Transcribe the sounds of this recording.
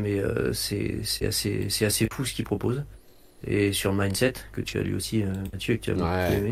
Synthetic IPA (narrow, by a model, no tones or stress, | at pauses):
mɛøsɛ̰sɛa̰sḛsɛasefusə̥kʲipχɔpoz | ḛsyʁəmajnsɛt̪kət̪ya̰lɥḭosiømat̪jøkət̪ʰya̰mɔpyeme